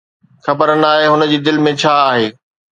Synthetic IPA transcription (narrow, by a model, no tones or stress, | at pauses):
xɐbəɾən̆aːɦeɦʊnəd͡ʑiːd̪ɪlmẽt͡ɕʰaːaːɦeː